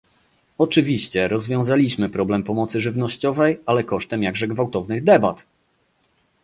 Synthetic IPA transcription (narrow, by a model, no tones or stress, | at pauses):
ɔt͡ʂɘvʲiɕt͡ɕɛɾɔzvʲjɔ̃w̃zalʲiɕmɘpɾɔblɛmpɔmɔt̪sɘʐɘvnɔɕt͡ɕɔvɛjalɛkɔʂt̪ɛmjaɡʐɛɡvawt̪ɔvnɘɣd̪ɛbat̪